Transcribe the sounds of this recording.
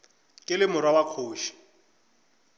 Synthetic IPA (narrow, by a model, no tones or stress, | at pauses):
kʼɪlɪmʊɾwawakʰoːʃi̥